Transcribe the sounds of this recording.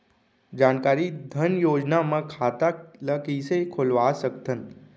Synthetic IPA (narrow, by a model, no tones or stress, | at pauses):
d͡ʒaːnkaːɾid̪ʱənjoːd͡ʒnamãkʰaːt̪aləkisekʰʊlʋasəkt̪ən